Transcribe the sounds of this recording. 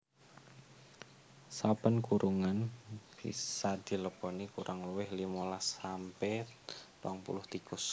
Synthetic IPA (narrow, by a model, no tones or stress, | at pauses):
sapənkuɾʔuŋanb̥ḭsad̪̥i̤ləpɔnikuɾʔaŋluwɪhlimolasampɛt̪waŋpṵlʊht̪ikʊs